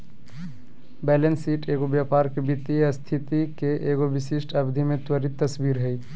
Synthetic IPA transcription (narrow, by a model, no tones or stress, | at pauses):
bɛːlensiʈeːɡobjapaɾkebit̪iəst̪ʰit̪ikeʔeːɡoʋɪsiʃʈʰəbd̪ʱimẽt̪wəɾit̪ːəsbiːɾɦɛi